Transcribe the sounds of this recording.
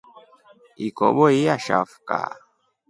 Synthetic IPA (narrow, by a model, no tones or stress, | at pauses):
ikɔ̰ɓɔiaʃa̰fu̥ka̰